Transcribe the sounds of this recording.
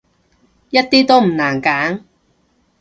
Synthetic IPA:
jɐ˥t̚t̪iː˥t̪o˥wm̩˨˩naː˨˩nkaː˨˥ŋ

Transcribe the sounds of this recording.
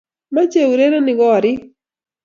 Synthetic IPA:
ma˦t͡ʃe˦u˨ɾe˦ɾɔ˦nɪ˨ɡɔ˦ɾɪ˦

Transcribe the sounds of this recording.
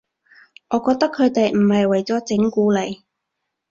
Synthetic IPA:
ŋʔɔː˨˧kɔː˧k̚t̪ɐ˥kʰːɵ˨˧ɥt̪e˨jm̩˨˩hɐ˨jwɐ˨˩jt͡sɔː˨˥t͡sɪ˨˥ŋkuː˨˧˥le˨˧j

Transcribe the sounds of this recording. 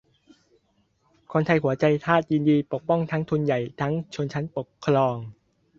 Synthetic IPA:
kʰo˧nt̪ʰa˧jɦu˩˦ɐt͡ɕa˧jt̪ʰaː˥˩t̪̚ji˧ndiː˧po˨˩k̚pɔ˥˩ŋt̪ʰa˦˥ŋt̪ʰu˧nja˨˩jt̪ʰa˦˥ŋt͡ɕʰo˧nt͡ɕʰa˦˥npo˨˩kʰːɾɔː˧ŋ

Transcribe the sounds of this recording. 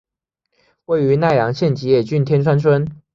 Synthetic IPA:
we˥˩ɪy˧˥na˥˩ɪjɑ˧˥ŋɕjɛ˥˩nt͡ɕi˧˨˥jɛ˥˩t͡ɕy˥˨nt̪ʰjɛ˥nt͡sʰwa˥nt͡sʰwə˥n

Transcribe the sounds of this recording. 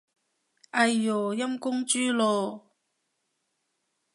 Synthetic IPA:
ʔɐ˧jːɔː˨˩jɐ˥mkʊ˥ŋt͡ʃyː˥loː˧

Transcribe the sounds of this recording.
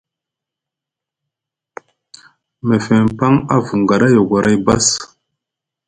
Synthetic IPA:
me˨fe˨mpa˦ŋa̰˦vu˨ŋɡa˨ɗa˦jo˨ɡa˨ɾʔa˦jba˦s

